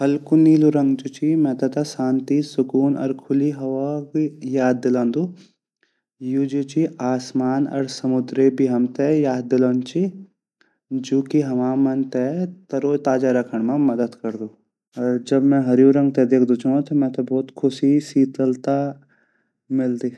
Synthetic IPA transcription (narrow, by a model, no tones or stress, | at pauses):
hɐlkuniːluɾɐ̃ŋɡd͡ʒut͡ʃimɛ̃ːt̪ɐt̪ɐsaːnt̪isʊkuːnɔ̰ːɾkʰʊliɦɐʋakijaːd̪̚ːɪlãːnd̪uː | jud͡ʒut͡ʃiaːsmaːnɔ̰ːɾsɐmʊd̪ɾebʱiɦɐmt̪ejaːd̪ːɪlɔːnt͡ʃi | d͡ʒoːkiɦɐmaːmɐnt̪et̪ɐɾoːt̪aːd͡ʒaɾɐkʰəɽ̃mẽmɐd̪əd̪kɐɾd̪uː | ɔːɾd͡ʒɐbmɛ̃ɦɐɾjuɾɐ̃ŋɡ̚t̪ed̪eːkʰd̪ut͡ʃʰõt̪ʰɐmɛ̃ːt̪ɐbɔːt̪kʰʊsisiːt̪əlt̪a | mɪld̪iː